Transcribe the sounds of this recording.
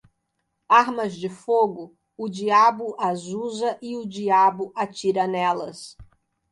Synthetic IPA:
aɾmɐzd͡ʒɪfoɡʊ | ʊd͡ʒiabʊʔazuzɐʔɪʊd͡ʒiabʊʔat͡ʃiɾɐnɛlɐs

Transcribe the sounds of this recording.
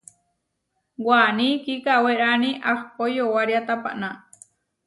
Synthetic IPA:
wanĩkikaweɾanĩʔahpojowaɾiat̪apa̰ʔnã

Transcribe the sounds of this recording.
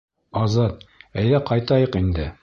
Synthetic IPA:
ɑzɑt̪̚æjlæqɑjt̪ɑjɤqind̪ɘ

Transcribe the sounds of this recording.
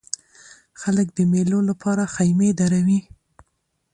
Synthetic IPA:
xaləkd̪əmelolapʰɑɾaxajmed̪aɾawi

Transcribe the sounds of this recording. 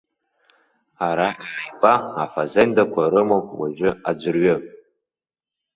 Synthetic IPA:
aɾaʔaʕajpʼaafazendakʷʰaɾɨmowwa̰ʒᶣɨad͡ʒʷɨrɥʏ

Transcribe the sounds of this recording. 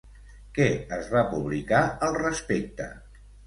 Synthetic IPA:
kɛəzβapuβlikaəlˠrəspek̚t̪ə̰

